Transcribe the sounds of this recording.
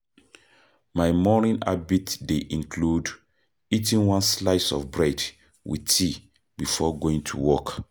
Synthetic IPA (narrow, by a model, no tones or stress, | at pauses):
maɪmɔnĩna̰bitdeʔĩnkʰlud | itĩnwãnslaɪsɔ̰fbɹɛd | wḭtʰi | bifɔɡoĩŋtʰṵwɔk